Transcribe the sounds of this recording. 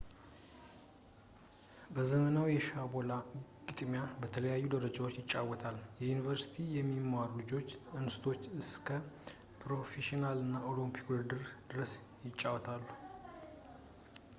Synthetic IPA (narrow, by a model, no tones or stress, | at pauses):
bəzəmənawjɛʃabolaɡɨt̪ʼmjabət̪ʰələjajːud̪əɾəd͡ʒawot͡ʃːjɪt͡ʃʼːawɔt̪ʰaljɛjunivəɾsi̥t̪ʰijɛmːimːaɾlɨd͡ʒo̞t͡ʃːɨnsɨt̪ʰo̞t͡ʃːɨskʰə | pʰɾo̞feʃinalɨnːao̞lompʰi̥kwɨɾd̪ɨɾd̪̥ɨɾəs | jɪt͡ʃʼːawt̪ʰalːu